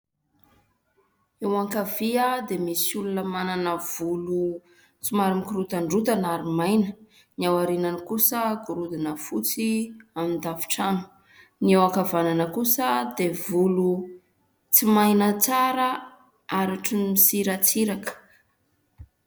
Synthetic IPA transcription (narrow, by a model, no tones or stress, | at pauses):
ewaŋkaviəd̪emisulunəmananəv̥ulu | t͡simaɾimkiɾut̪aɳɖ͡ʐut̪anaɾimajnə̥ | niawaɾinanikusəɡuɾud̪inəfut͡siamind̪avi̥ʈ͡ʂanu̥ | niewakavananəkusəd̪evulu | t͡simajnət͡saɾə | aɾaʈ͡ʂinmisiɾat͡siɾakə̥